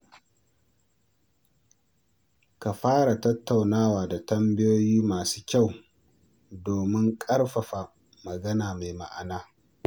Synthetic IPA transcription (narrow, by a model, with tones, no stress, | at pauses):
ka˨ɸaː˦ɽa˨tɐ˦tːa˨wnaː˦waː˨da˨tɐ˦mbɪ˦joː˦jiː˦maː˨su̥ː˦kʲa˦˨w | doː˨mɪ˦ŋkʼɐ˦ɽɸɐ˨ɸa˨ | mɐ˨ɡɐ˦naː˨ma˨jma̰˦ʔa˨naː˦